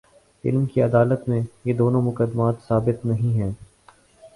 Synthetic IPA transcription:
ɪ̰lmkiɐd̪aːlət̪mẽjed̪oːnõmʊkəd̪ːmaːt̪saːbɪt̪nɐɦĩɦɛː

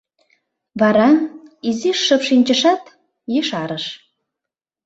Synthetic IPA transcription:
vɑɾɑiziʃːə̆pʃinʲt͡ɕə̆ʃɑt̪ | jeʃɑɾəʃ

